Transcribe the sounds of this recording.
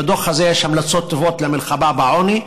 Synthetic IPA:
d̪oxazeʃhamlat͡sːˤot̪ːɪvoːt̪lamɪlxababaʕoni

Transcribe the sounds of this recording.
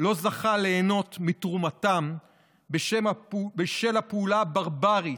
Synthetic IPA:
lo̞zaχale̞ːno̞tmitʁumatam | beʃemabeʃelapeulabaʁbaʁi

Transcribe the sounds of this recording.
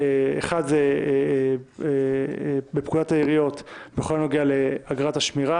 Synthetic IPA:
eḛχadze | e | bepkudotaiʁijo̞tbeχolanoɡiale̞aɡʁataʃmiʁa

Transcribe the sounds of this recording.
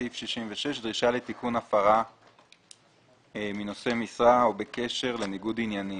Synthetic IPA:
ifʃiʃimveʃe̞ʃdʁiʃale̞t̪ikunafaʁa | mino̞se̞misʁaobeke̞ʃe̞ʁle̞niɡudinjani

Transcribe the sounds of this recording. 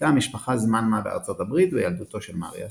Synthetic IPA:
tamiʃpaχazmanmabea̰ʁt͡so̞tabʁitvejald̪uto̞ʃelma̰ʁja̰

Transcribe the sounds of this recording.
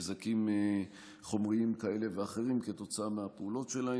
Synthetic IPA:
zakime | χo̞mʁiimkae̞leveaχe̞ʁimke̞t̪o̞t͡saameapeulo̞tʃe̞lahe

